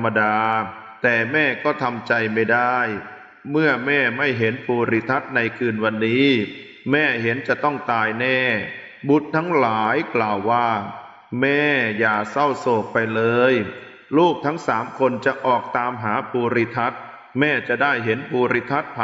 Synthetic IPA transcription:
mːa˧daː˧ | t̪ɛː˨˩mɛː˥˩kɔː˥˩t̪ʰa˧mt͡ɕa˧jma˥˩jda˥˩j | mɯ˥˩ɐmɛː˥˩ma˥˩jɦe˩˦npʰuː˧ɾi˧t̪ʰa˦˥t̪̚na˧jkʰɯː˧nwa˧nːiː˦˥ | mɛː˥˩ɦe˩˦nt͡ɕa˨˩ʔt̪ɔ˥˩ŋt̪aː˧jnɛː˥˩ | bu˨˩t̪̚ʰːa˦˥ŋlaː˩˦jklaː˨˩wːaː˥˩ | mɛː˥˩jaː˨˩sa˥˩wsoː˨˩k̚pa˧jlɤː˧j | luː˥˩k̚t̪ʰa˦˥ŋsaː˩˦mkʰo˧nt͡ɕa˨˩ʔɔː˨˩k̚t̪aː˧mɦaː˩˦pʰuː˧ɾi˧t̪ʰa˦˥t̪̚ | mɛː˥˩t͡ɕa˨˩ʔdaː˥˩jɦe˩˦npʰuː˧ɾi˦˧˥t̪ʰa˦˥t̪̚pʰ

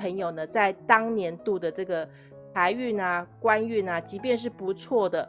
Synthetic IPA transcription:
pʰə˧˥ŋjo˨˩ʊnə˦t͡sa˥˩ɪt̪ɑ˥ŋnjɛ˧˥nt̪u˥˩d̪ə˩ʈ͡ʂɤ˥˩ɡə˩ | t̪ʰa˧˥ɪy˥˩nə˨kwa˥ny˥˩nə˩t͡ɕi˧˥pjɛ˥˧nʂ̬ɻ̩˥˩pu˧˥t͡sʰwɔ˥˩d̪ə˩

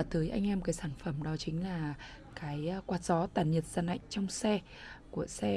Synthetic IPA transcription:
t̪əː˨˦jʔa˧jŋ̟ʔɛ˧mkaː˨˦jsaː˧˩nfə˧˩mɗɔ˨˦t͡ɕï˨˦ŋ̟laː˨˩ | kaː˨˦jkwaː˨˩t̚zɔ˨˦t̪aː˨˩nɲə˨˩t̚zaː˨˩nɗa̰˧˨jŋ̟t͡ɕɔ˧wŋ͡msɛ˧ | ku˧˩əsɛ˧

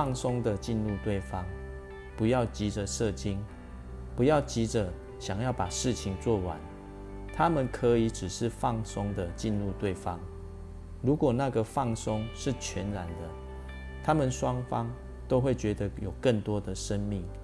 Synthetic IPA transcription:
ɑ˥˩˨ŋsʊ˥ŋd̪ə˨t͡ɕi˥˧nɻu˥˧t̪we˥˩ɪfɑ˦ŋ | pu˧˦jɑ˥˩ʊt͡ɕi˨˥d͡ʒə˨ʂɤ˥˨t͡ɕi˥n | pu˧˦jɑ˥˩ʊt͡ɕi˨˥ʈ͡ʂə˨ | ɕjɑ˨˩ŋjɑ˥˩ʊpa˨˩ʂɻ̩˥˨t͡ɕʰi˨ŋt͡swɔ˥˨wa̰˨˦n | t̪ʰa˦mə˨nkʰə˧˦i˨˦ʈ͡ʂɻ̩˨˩ʂɻ̩˥˧fɑ˥˨ŋsʊ˥ŋd̪ə˨t͡ɕi˥˧˨nɻu˥˧t̪we˥˨ɪfɑ˦ŋ | ɻu˨˥kwɔ˨˩na˥˨ɡə˨fɑ˥˧ŋsʊ˦ŋʂɻ̩˥˨t͡ɕʰɥɛ˨˧˥nɻa˧˦nd̪ə˨ | t̪ʰa˦˥mə˨nʂwɑ˦ŋfɑ˦ŋ | t̪o˥ʊxwe˥˩ɪt͡ɕɥɛ˧˥d̪ə˧˦jo˨˩ʊkə˥˨˩nt̪wɔ˦d̪ə˨ʂə˦nmi˥˨˩ŋ

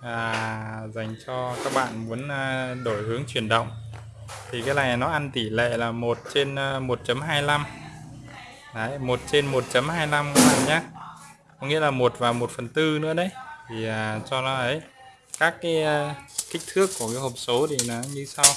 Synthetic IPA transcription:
ʔaː˨˩za˨˩jŋ̟t͡ɕɔ˧kaː˦˥k̚ɓa̰ː˧˨nmu˨˦ənː˧˩ɗo˧˩jhɨ˨˦əŋt͡ɕwi˧˩ənɗə̰˧˨wŋ͡m | t̪ʰi˨˩kaː˨˦jla̰˧˩nɔ˨˦ʔa˧nt̪i˧˩lḛ˧˨laː˨˩mo˨˩t̚t͡ɕe˧nː˧mo˨˩t̚t͡ɕə˨˦mɦaː˧jla˧m | ʔə˨˦jmo˨˩t̚t͡ɕe˧nmo˨˩t̚t͡ɕə˨˦mhaː˧jla˧mka˧˦laː˨˩mɲaː˧ | kɔ˨˧˦ŋḭ˧˥əlaː˨˩mo˨˩t̚vaː˨˩wmo˨˩t̚fə˨˩nt̪ɨ˧nɨ̰˧˥əɗə˨˦jt̪ʰi˨˩aː˨˩t͡ɕɔ˧nɔ˨˦ʔə˨˦j | kaː˦˥kːaː˨˦jkï˦˥k̟̚t̪ʰɨ˦˥əkːu˧˩əka˨˦jho˨˩p̚so˨˦t̪i˨˩nɔ˨˦ɲɨ˧sa˧w

